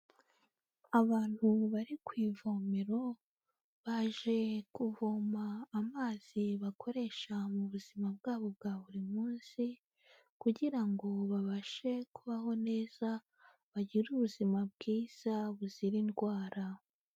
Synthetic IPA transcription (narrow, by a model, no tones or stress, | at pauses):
aβaːn̥huβaɾikwiːvo̞ːmeɾo̞ | βaʒe̞kuvoːmaːmaːz̥iβako̞ɾe̞ʃamuβuz̥imab̚ɡaːβo̞b̚ɡaːβuɾimuːnsi | kuɟiɾaŋɡo̞βaβaʃe̞kuβaho̞ne̞ːz̥a | βaɟiɾuβuzimab̚ɡiːz̥aβuz̥iɾinɡwaːɾa